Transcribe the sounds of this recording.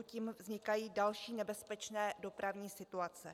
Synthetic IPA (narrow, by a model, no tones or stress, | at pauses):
ciːmvzɲɪkajiːdalʃiːnɛbɛspɛt͡ʃnɛːdo̞pɾavɲiːsɪt̪uat͡sɛ̰